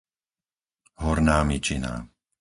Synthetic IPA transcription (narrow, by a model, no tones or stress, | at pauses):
ɦɔɾnaːmit͡ʃina̰ː